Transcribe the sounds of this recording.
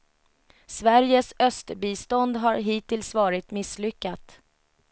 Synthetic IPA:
svæɾjəsœst̪biːst̪ɔnd̪ɦaɾɦiːt̪ɪlsvɑːɾɪt̪mɪslʏkːat̪

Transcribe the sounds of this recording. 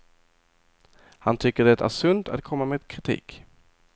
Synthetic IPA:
hant̪ʰʏkːəɖɛt̪æ̰ʂɵnt̪a̰t̪kʰɔmːameːd̪kʰɾɪt̪ʰḭːk

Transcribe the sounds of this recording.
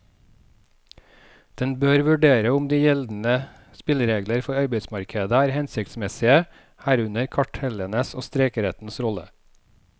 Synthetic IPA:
d̪̥ɛnbøːɾʋʉɖeːɾəʊmd̪iːjɛld̪n̩ə | spɪlɾeːɡləɾfɔɾɑɪbəsmɑɾkʰəd̪əæːɾhɛnsɪkt̪smɛsɪə | hæːɾʉnəɾkʰɑʈhɛlənəso̰ːst̪ɾeːkəɾɛt̪n̩sɾɔlə̰

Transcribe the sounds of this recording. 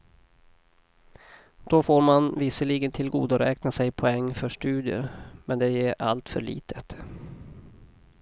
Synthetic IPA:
d̪̥ɔfoːɾmanvɪsəɭiːɡənt̪ʰɪlɡuːd̪aɾɛːknasɛjpʰɔɛŋːfœʂʈʉ̟ːd̪ɪə̰ɾmɛnd̪ɛɛɾʔa̰lt̪fœ̰ɭḭːt̪ʰə̥t̪

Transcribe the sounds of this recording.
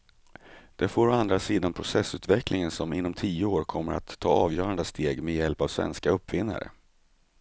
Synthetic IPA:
d̪̥ɛfoːɾɔand̪ɾasiːd̪anpʰɾʊsɛsːʉ̟ːt̪vɛklʔɪŋənsɔmɪnːɔmt̪ʰiːəoːɾkʰɔmːəɾa̰t̪ʰːɑːɑːvjœːɾand̪əst̪ʰeːɡmɛjɛlpavsvɛ̰nskaɵpːvɪnːa̰ɾə̰

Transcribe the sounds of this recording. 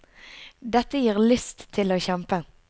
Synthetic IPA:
d̪ɛt̪əjiːʁlʏst̪ʰːɪloːçɛmpə

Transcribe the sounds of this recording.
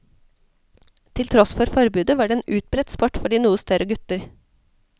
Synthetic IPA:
t̪ʰɪlt̪ʰɾɔsfɔɾfɔɾbʉːd̪əʋɑːɖeːeːnʔʉːt̪̚bɾɛt̪spʰɔʈfɔɖiːnuːəst̪œɾʔəɡʉt̪əɾ

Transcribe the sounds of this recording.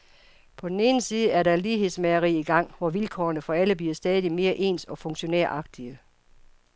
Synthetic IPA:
pʰɒ̽d̥en̩e̝ːn̩siːð̞̩ˠəæɐɾɑliːɦe̝ð̰ˠsmeɐʁḭiɡ̥ɑ̈ŋ̰ʋɒʋilkʰɒ̰ːnəfɒ̽æləb̥liɐsd̥ɛːð̞ˠime̝ːɐʔe̝̰ːnsɒ̽fɔ̽ŋ̰ɕo̝neɐ̰ʔɑ̈ɡ̥̚d̥iə

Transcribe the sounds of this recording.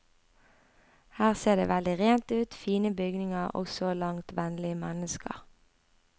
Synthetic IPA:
hæːʁseːʁd̪ḛːʋɛld̪ɪʁeːnt̪ʉːt̪fiːnəbʏɡnɪŋəʁɔ̰sɔlɑŋt̪ʋɛnlɪəmænəskə̰ʁ

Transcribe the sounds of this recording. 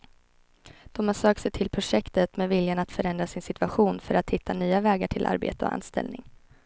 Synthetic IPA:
d̪̥ɔmansøːk̚t̪sɛjt̪ʰɪlpʰɾʊʂɛkt̪ət̪mɛvɪljanat̪fœɾɛnd̪ɾasɪnsɪt̪vaɧuːnfœɾat̪hɪt̪ʰːanyːavɛːɡaʈʰɪlʔa̰ɾbḛːt̪əɔ̰ʔa̰nst̪ɛ̰lnɪ̰ŋ

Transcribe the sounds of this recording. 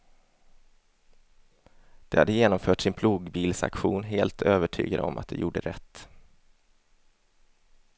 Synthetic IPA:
d̪̥ɛhad̪ːəjeːnɔmfœːʈsɪnpʰluːɡbiːlsa̰kɧuːnɦeːlt̪ʰøːvəʈʰy̰ːɡad̪əɔ̰mʔat̪̚d̪ɛ̰jʔṵːɖəɾɛt̪ː

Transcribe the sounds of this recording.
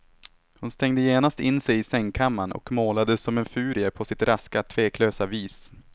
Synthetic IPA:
hʊnst̪ɛŋd̪əjeːnast̪ɪnːsɛjɪsɛŋːkʰamːanɔ̰kmoːlad̪əsɔmɛnfʉ̟ːɾɪəpʰɔsɪt̪ɾʔaskat̪ʰveːkʰløːsaviːs

